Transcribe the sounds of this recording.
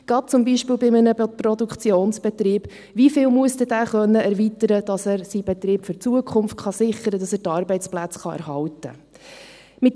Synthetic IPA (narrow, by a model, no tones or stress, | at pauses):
ɡ̥ɑt̚t͡sʊmbiːʃpɪːlbɪmənəprɔd̪ukt͡sjoːnsb̥ɛt̪ɾiːb̥ | ʋifɪːlmuəsdɛdæːχœnːəʔɛɾʋitəɾəd̥ɑsæːɾsib̥ɛt̪ɾiːpfʏrt͡suəkʰχʊnftχɑsɪχəɾədɑsæːɾtɑːɾbɛɪt͡splæt͡sχɑɛ̰ɾhɑwtə̰ | mɪt